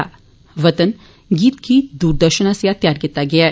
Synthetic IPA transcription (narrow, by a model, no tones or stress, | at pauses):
a̰ | ʋət̪ən | ɡiːt̪kiːt̪d̪uːɾd̪əɾɕənəsjat̪jaɾɡɛt̪aɡɛa